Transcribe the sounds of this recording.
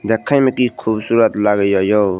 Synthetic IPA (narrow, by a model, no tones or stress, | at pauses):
d̪ɛkʰːajmekikʰubsuɾət̪laɡəjɔjo